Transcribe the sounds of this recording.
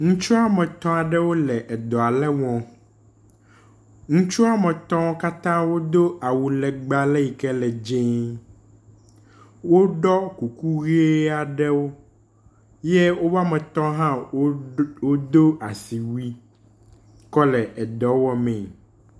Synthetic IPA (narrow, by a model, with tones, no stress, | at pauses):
ŋũ˦t͡ʃu˦a˦mɛ̃˨t̪ɔ̃˦a˨ɖɛ˦wo˦lɛ˨ʔɛ˨d̪ɔ˨a˨lɛ˦wɔ̃˨ | ŋũ˦t͡ʃu˦a˦mɛ̃˨t̪ɔ̃˦wka˦t̪ã˦wo˦d̪o˦a˨wu˨lɛ˨ɡ͡ba˦lɛ˦ji˨kɛ˦lɛ˨d͡ʒẽ˦ | wo˦ɖɔ˦ku˨ku˦ɣi˦e˦a˨ɖɛ˦wo˦ | jɛ˦wo˦va˦mɛ̃˨t̪ɔ̃˦ɦã˦ | wo˦d̪o˦a˨si˨wi˦ | kɔ˦lɛ˨ʔɛ˨d̪ɔ˨˦wɔ˦mɛ̃˨